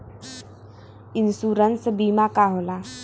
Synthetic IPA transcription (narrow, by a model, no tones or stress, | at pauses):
insuːɾənsbiːmakaːɦola